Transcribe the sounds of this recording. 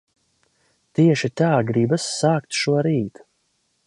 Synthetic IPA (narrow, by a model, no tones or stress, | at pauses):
t̪iɛʃit̪aːɡɾibasːaːkt̪ʃuɔɾiːt̪